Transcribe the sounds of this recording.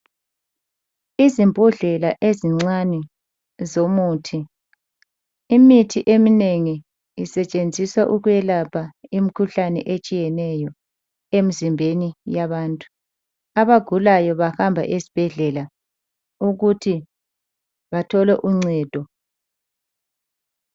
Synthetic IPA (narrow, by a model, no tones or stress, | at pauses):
izimbʱuɮɛlaʔeziŋ͡ǀanɛ | zomuːtʰi | imitʰiʔemineŋiː | sɛt͡ʃʼend͡zʱiswaʔuɣwjɛlapʰaim̩ikʰuɬanɛ̰ʔet͡ʃʼijɛnɛjɔ | em̩zimbʱenijaβaːntʼu̥ | aβaɡ̥ʱulajɔβahambʱa̰ʔesi̥b̥ʱɛɮɛla | uɣutʰi | βatʰɔlɛʔuŋ͡ǀɛːd̥ʱɔ